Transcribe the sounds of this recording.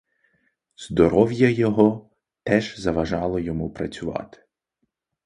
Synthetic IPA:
z̥d̪ɔɾɔwjɐjɔɦɔ | t̪ɛʒzɐʋɐʒɑlˠɔjɔmupɾɐt͡sʲʊʋɑ̰t̪ɪ̥

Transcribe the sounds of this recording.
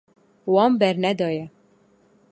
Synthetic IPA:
wɑːmbɛɾnɛd̪ɑːjɛ

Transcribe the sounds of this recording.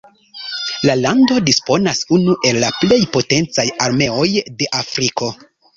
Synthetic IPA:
lalando̞dispo̞nasunuʔe̞lːaple̞jpo̞te̞nt͡sajaɾme̞o̞jde̞ʔafɾiko̞

